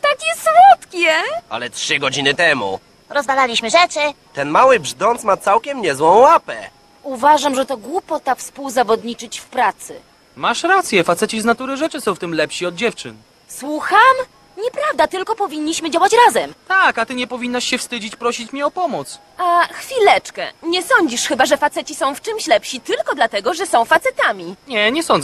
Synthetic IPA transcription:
t̪akʲjɛswɔt̪kʲɛa̰lɛtʂɘɡɔd͡ʑinɘt̪ɛmṵ | ɾɔzvalalʲiɕmɘʐɛt͡ʂɘt̪ɛnmawɘbʐd̪ɔnt̪smat̪sawkʲɛmɲɛzwɔ̃w̃wapɛ | uvaʐamʐɛt̪ɔɡwupɔt̪afspuwzavɔd̪ɲit͡ʂɘt͡ɕfpɾat̪sɘ̰ | maʂɾat̪sʲjɛfat̪sɛt͡ɕiznat̪uɾɘʐɛt͡ʂɘsɔ̃w̃ft̪ɘmlɛpɕiɔd̪̚d͡ʑɛft͡ʂɘ̰n | swuxam | ɲɛpɾavd̪at̪ɘlkɔpɔvʲiɲʲːiɕmɘd͡ʑawat͡ɕɾazɛmt̪akat̪ɘɲɛpɔvʲinːaʂɕɛfst̪ɘd͡ʑit͡ɕpɾɔɕit͡ɕmʲiɔpɔmɔt̪s | axfʲilɛt͡ʂkɛ̰ɲɛsɔɲd͡ʑiʂxɘbaʐɛfat̪sɛt͡ɕisɔ̃w̃ft͡ʂɘmɕlɛpɕit̪ɘlkɔd̪lat̪ɛɡɔʐɛsɔ̃w̃fat̪sɛt̪amʲiɲɛɲɛsɔnd̪

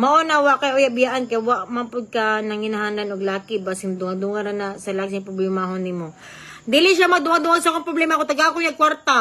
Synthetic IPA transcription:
mɐʔonɐwaʔkɐjʔojabɪjaʔankɐwaʔmampʊd̪̚kɐnɐŋhɪnɐɦaːnɐnoɡlaːkɪbasɪŋd̪ʊŋad̪uŋɐɾɐnɐsɐlaɡsaŋpɾoblɛmaɦonɪmo | d̪ɪlɪʃ̬amɐd̪ʊŋad̪ʊŋasɐkoŋpɾoblɛːmakot̪ɐɡaːkojɐkwaɾt̪a

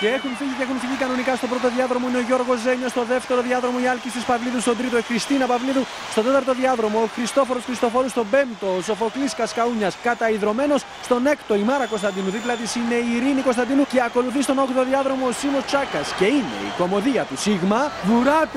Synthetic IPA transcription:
ceexunfiʝiceexunfiʝikɐno̞nikɐst̪o̞pɾo̞t̪o̞ðiɐðɾo̞mo̞ineoʝo̞ɾɣo̞ze̞ɲo̞st̪o̞ðe̞ft̪e̞ɾo̞ðiɐðɾo̞mo̞iɐlcist̪ispɐvliðust̪o̞d̪ɾit̪oixɾist̪inɐpɐvliðu | st̪o̞t̪e̞t̪ɐɾt̪o̞ðiɐðɾo̞mo̞ːxɾist̪o̞fo̞ɾosxɾist̪o̞fo̞ɾust̪o̞be̞nt̪o̞ːso̞fo̞kliskɐskɐuɲɐskɐt̪ɐiðɾo̞me̞no̞s | st̪o̞ne̞kt̪o̞imɐɾɐko̞st̪ɐnd̪inuðiplɐt̪isine̞iːɾiniko̞st̪ɐnd̪inuce̞ɐko̞luθist̪o̞no̞kt̪oðiɐðɾo̞mo̞ːsimo̞st͡ʃɐkɐsce̞ine̞̰ḭko̞mo̞ðiɐt̪usiɣmɐvuɾɐt̪

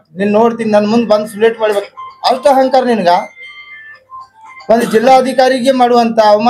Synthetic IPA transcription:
ninːnoːɽt̪iːninɐnːɐmund̪ubɐnd̪usuleːʈmaːɽibekiɐlt̪ɐɦɐŋkaːɾɐninɐɡa | ond̪ud͡ʒilːaːɐd̪ʱikaːɾiɡeːmaːɽuʋɐnt̪ʰɐːʋm

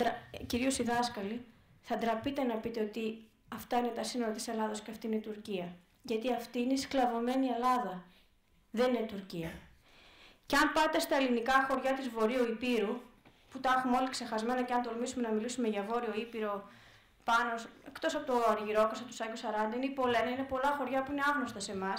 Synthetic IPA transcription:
ɾciɾio̞siðɐskɐli | θɐd̪ɾɐpit̪e̞nɐpit̪eo̞t̪i | ɐft̪ɐine̞t̪ɐsino̞lɐt̪ise̞lɐðɐsceɐft̪iinet̪uɾciɐ | ʝɐt̪iɐft̪iinesklɐvo̞me̞nie̞lɐðɐ | ðe̞ninet̪uɾciɐ | ceɐmpɐt̪e̞st̪ɐelinikɐxo̞ɾʝɐt̪izvo̞ɾioipiɾu | put̪ɐxumeo̞likse̞xɐzme̞nɐceɐnt̪o̞lmisume̞nɐmilisume̞ʝɐvo̞ɾio̞ipiɾo̞ | pɐno̞sekt̪o̞sɐpot̪oɐɾʝiɾokosɐot̪u̥sɐkusɐɾɐnd̪ɐineipo̞le̞nɐine̞po̞lɐxo̞ɾʝɐpuine̞ɐɣno̞st̪ɐse̞mɐs

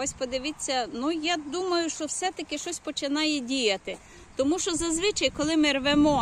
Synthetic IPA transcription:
ɔsʲpɔd̪ɪʋɪt͡sʲːɐnujad̪umɐjʊʃt͡ʃɔwsɛt̪ɐkɪʃt͡ʃɔsʲpɔt͡ʃɪnɑjɛdʲijɐt̪ɪ | t̪ɔmuʃt͡ʃɔzɐzʋɪt͡ʃɐjkɔlˠɪmɪrʋemɔ

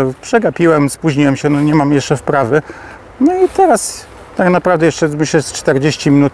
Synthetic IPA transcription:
pʂɛɡapʲiwɛmspuʑɲiwɛmɕɛnɔɲɛmamjɛʂt͡ʂɛfpɾavɘ | nɔit̪ɛɾas | t̪aknapɾavd̪ɛjɛʂt͡ʂɛmɘɕlɛst͡ʂt̪ɛɾd͡ʑeɕt͡ɕimʲinut̪

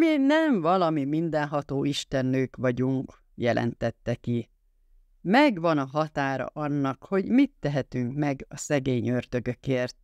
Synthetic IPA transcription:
minɛɱvɒlɒmimind̪ɛnɦɒt̪oːʔiʃt̪ɛnːøːkʋɒɟuŋk | jɛlʔɛ̰nt̪ɛt̪ːɛki | mɛɡʋɒnɒɦɒt̪aːɾɒ̰ʔɒnːɒkho̞ɟmit̪ːɛɦɛt̪yŋkmɛɡɒsɛɡeːɲø̞rd̪ø̞ɡø̞keːrt̪̚

